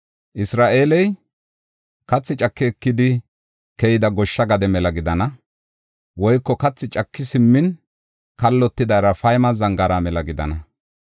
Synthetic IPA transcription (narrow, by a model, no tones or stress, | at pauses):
ʔɪsɾaːʔe̞ːlɛj | kɐt͡sːɪt͡ʃʼɐkːɛːkːɪd̪ɪ | kɛjɪd̪ɐɡɔʃːɐɡɐd̪ɛmɛlɐɡɪd̪ɐnɐ | wɔjkːɔkɐt͡sːɪt͡ʃʼɐkːɪsɪmːɪn | kɐlːɔt̪ːɪd̪ɐjɾɐfɐjmɐzɐŋɡɐɾamɛlɐɡɪd̪ɐ̰nɐ